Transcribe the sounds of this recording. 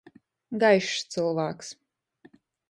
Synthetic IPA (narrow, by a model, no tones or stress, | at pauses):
ɡajʃt̪sɨlˠvæːks